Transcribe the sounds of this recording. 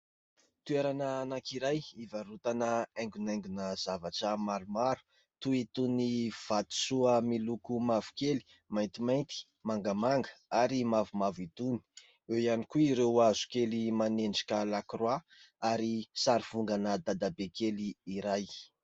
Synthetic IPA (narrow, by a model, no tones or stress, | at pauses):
t̪ueɾanaːnakiɾajivaɾut̪anəajŋɡunajŋɡunəz̥avaʈ͡ʂəmaɾumaɾu̥ | t̪uit̪univ̥at̪u̥suəmilukumavu̥keli̥ | majnt̪imajnt̪i̥ | maŋɡamaŋɡə̥aɾimavumavit̪uni̥ | ewianikuiɾewazu̥kelimanenɖ͡ʐi̥kʲalakrwa | aɾisaɾiv̥uŋɡanəd̪ad̪abekeliːɾaj